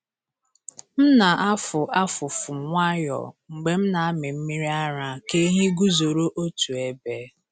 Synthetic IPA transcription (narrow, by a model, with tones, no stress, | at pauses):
m̩˦na˨ʔa˦fʊ˨ʔa˦fʊ˨fʊ˨ŋʷa˦jɔ̰˨ŋ͡m̩˨ɡ͡be˨m̩˦na˨a˦mɪ˨m̩˦mi˦ɾi˦a˦ɾa˨ke˦ɦi˦ɡu˦zo˨ɾo˦ʔo˦tu˨e˨be˦